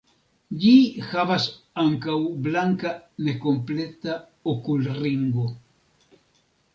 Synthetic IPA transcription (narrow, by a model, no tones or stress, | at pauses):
ʎixaβas | aŋkawblaŋkanekomplet̪a | okulriŋɡo